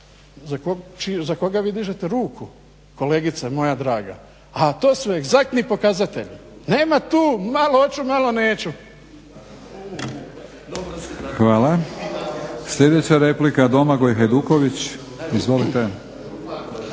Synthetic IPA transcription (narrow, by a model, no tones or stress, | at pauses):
zakot͡ʃizako̞ɡaʋiːd̪iʒet̪eɾuːkʰu | ko̞le̞ːɡit̪samo̞jad̪ɾaːɡa̰ | at̪oːsʋeeɡzak̚t̪nipo̞kazat̪e̞̰ʎne̞ːmat̪uːmaloot͡ʃumalo̞neːt͡ɕu | xʋaːla | sʎʲe̞d̪et͡ɕaɾeplikad̪o̞maɡojɦajd̪uːkoʋit͡ɕ | izʋo̞lit̪e